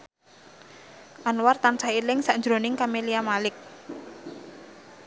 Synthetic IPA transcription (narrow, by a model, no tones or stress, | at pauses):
ʔanwart̪ant͡ʃaɦilɪŋsaʔnd͡ʒɾonɪŋkameliamalɪk̚